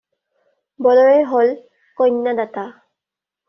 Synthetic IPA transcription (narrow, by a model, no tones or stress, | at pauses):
bɔlɔɹɛjɦol | kɔjnːadata